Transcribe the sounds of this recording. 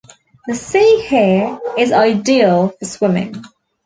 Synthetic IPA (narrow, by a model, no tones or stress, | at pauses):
ðəsiːhɪəɹɪzaɪdiːəlˠfəswɪ̃mɪ̰̃ŋ